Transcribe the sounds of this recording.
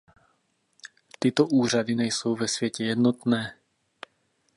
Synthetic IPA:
t̪it̪ɔʔuːrad̪iɲɛjsowvɛsʋɪjɛcɛjɛd̪nɔt̪nɛː

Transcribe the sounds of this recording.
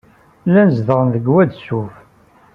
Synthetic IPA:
lænzðəʁənðəɡwæd̪suf

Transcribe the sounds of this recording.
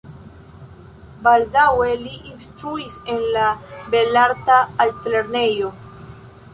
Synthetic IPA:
baldawe̞liʔinst̪ɾuisenlabe̞laɾt̪aːltɾe̞ɾnejo̞

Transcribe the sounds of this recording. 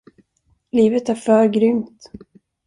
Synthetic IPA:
liːvət̪æɾfœːɾɡɾʏmt̪

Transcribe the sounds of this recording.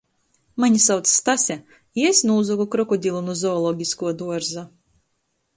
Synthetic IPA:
maɲʲisawt̪sst̪asʲɛ | iesʲnuːzɔɡɔkɾɔkɔd̪ʲilˠunuzɔːlˠɔɡʲiskuɔd̪uɔɾza

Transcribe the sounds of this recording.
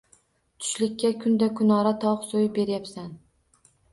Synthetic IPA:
t̪ʰʊ̥ʃlɪkʲːakʰʊnd̪akʰʊnɒɾat̪ʰɒqsojɪbe̞ɾjapsan

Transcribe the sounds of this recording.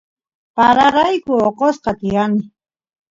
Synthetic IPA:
paɾaɾajkʊoqosqɑt̪ɪjanɪ

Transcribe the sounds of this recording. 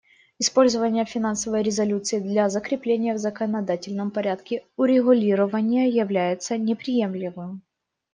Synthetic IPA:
ɪspo̞lʲzəvənʲɪjəfʲɪnansəvəjɾʲɪzɐlʲut̪sɨɪd̪lʲɐzəkɾʲɪplʲenʲɪjəvzəkənɐd̪atʲɪlʲnəmpɐɾʲæt̪kʲɪʊɾʲɪɣʊlʲiɾəvənʲɪjəjɪvlʲæjɪt̪sənʲɪpɾʲɪje̞mlʲɪvɨm

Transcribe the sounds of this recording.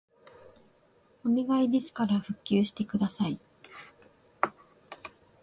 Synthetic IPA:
omʲiɡaid̪ʲe̞sɨ̥kaɾaɸɯ̟kʲːɨːɕi̥t̪e̞kɯ̟d̪asai

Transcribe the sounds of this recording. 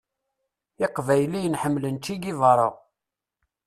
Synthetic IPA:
ɪqvæjlijənħəmːlənt͡ʃːiɡivɑɾˤoʁ

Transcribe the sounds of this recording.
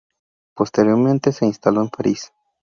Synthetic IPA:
po̞st̪eɾjo̞ɾmẽnt̪ese̞inst̪aloempaɾis

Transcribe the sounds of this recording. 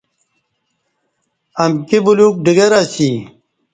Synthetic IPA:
ɐmkibuluːk̚ɖiɡɐɾasi

